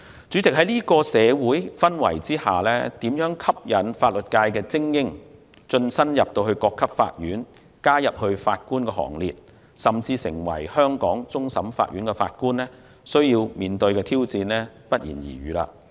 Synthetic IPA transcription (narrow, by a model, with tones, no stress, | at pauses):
t͡ʃy˨˥t͡sɪ˨k̚ɦɐ˨˦jliː˥kɔː˧sɛː˨˧wuː˨˥jfɐ˥nwɐ̰˨˩jt͡siː˥ha̰ː˨lɛː˥t̪iː˨˥mjœː˨˥ŋkʰɐ˥p̚jɐ˨˥nfaː˧t̚lɵ˨t̚kaː˧jkɛː˧t͡sɪ˥ŋjɪ˥ŋ | t͡ʃɵ˧nsɐ˥njɐ˨p̚t̪o˧whɵ˧ɥkɔː˧kʰːɐ˥p̚fa̰ː˧t̚jyː˨˥n | kaː˥jɐ˨p̚hɵ˧ɥfaː˧t̚kuː˥nkɛː˧ɦɔ̰ː˨˩ŋlḭː˨t̚ | sɐ˨˩mt͡siː˧sɪ̰˨˩ŋwɐ̰˨˩jhœː˥ŋkɔː˨˥ŋt͡sʊ˥ŋsɐ˨˥mfa̰ː˧t̚jyː˨˥nkɛ˧fa̰ː˧t̚kuː˥nlɛː˥ | sɵ˥ɥjiː˧wmiː˨nt̪ɵ˧ɥkɛː˧t̪ʰiː˥wt͡siː˧nlɛː˥pɐ˦˥t̚jiː˨˩njḭː˨˩jɥyː˨la̰ː˧